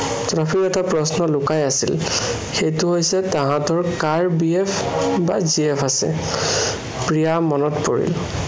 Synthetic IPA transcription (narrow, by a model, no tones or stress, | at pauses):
tɹapʰikɛtapɹɔsnɔlʊkajasil | xejtʊɦojsɛtãɦãtɔɹkaɹbiɛpʰ | ba̰ziɛpʰasɛ̰ | pɹijamɔnɔtpoɹḭl